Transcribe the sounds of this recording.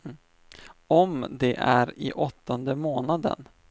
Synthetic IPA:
ɔmd̪ɛʔæɾɪʔɔt̪ːɔnd̪əmoːnad̪ə̰n

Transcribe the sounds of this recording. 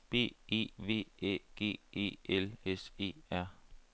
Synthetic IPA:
b̥e̝̰ːe̝̰ːʋe̝̰ːḛːɡ̥e̝̰ːe̝̰ːelese̝̰ːæɐ̰

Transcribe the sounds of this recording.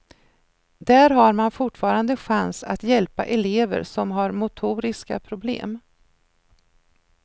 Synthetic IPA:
d̪æːɾɦaɾmanfʊʈfɑːɾand̪əɧansa̰t̪jɛlpa̰ʔɛleːvə̰ɾsɔmɦaɾmʊt̪ʰuːɾɪska̰pʰɾʊblḛːm

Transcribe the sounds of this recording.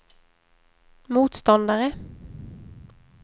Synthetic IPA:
muːt̪st̪ɑnd̪əʁə

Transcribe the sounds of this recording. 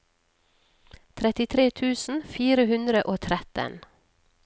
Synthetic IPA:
t̪ʰɾɛt̪ɪt̪ʰɾeːt̪ʰʉːsn̩fiːɾəhʉnd̪ɾəʔoːt̪ʰɾɛt̪ə̰n

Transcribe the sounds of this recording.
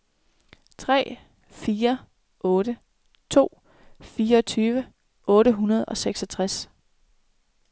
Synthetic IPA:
t͡sʰʁɛ̰ː | fiːɐ | ʔɔ̽ːɾə | t͡sʰo̝̰ː | fiːɐɒt͡sʰyːʋə | ʔɔ̽ːɾəɦunɐð̞ˠɒ̽seɡ̥sɒt͡sʰʁas

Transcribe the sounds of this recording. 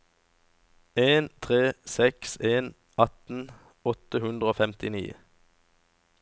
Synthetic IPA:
eːnt̪ʰʁeːsɛkseːn | ʔɑt̪n̩ | ɔt̪əhʉnd̪ʁəoːfɛmt̪ɪnḭː

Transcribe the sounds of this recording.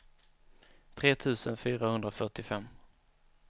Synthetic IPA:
t̪ʰɾeːt̪ʰʉ̟ːsənfyːɾahɵnd̪ɾafœʈɪfɛmː

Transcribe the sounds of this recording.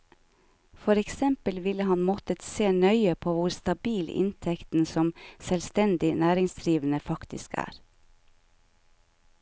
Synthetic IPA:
fɔɾɛksɛmpəlʋɪləhɑnmɔt̪ət̪seːnœʏəpʰoːʋʊɾst̪ɑbiːlɪ̰nt̪ʰɛkt̪n̩sɔmsɛlst̪ɛnd̪ɪnæːɾɪŋsd̪ɾiːʋən̩əfɑkt̪ɪ̰skʰæ̰ːɾ

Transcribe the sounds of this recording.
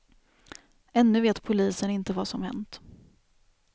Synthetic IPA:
ɛnːɵveːt̪pʰʊliːsənɪnt̪əvasɔmhɛ̰nt̪

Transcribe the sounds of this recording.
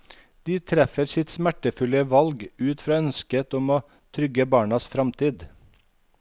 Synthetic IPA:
d̪̥iːt̪ʰɾɛfəɾsɪt̪smæʈəfʉləʋɑlɡʉːt̪fɾɑːœnskət̪ɔmoː | t̪ʰɾʏɡəbɑːɳɑsfɾɑmt̪ʰiːd̪

